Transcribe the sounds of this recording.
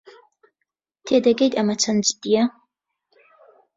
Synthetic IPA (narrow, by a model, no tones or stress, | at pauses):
tʰedaɡejtʼamat͡sʰand͡ʒʼdʼija